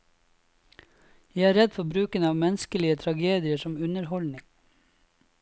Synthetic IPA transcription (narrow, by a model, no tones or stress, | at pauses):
jææːɾɛd̪fɔbɾʉːkənəɑːʋmɛnskəlɪət̪ʰɾɑɡeːd̪ɪəʃɔmʉnəɾhɔlnɪŋ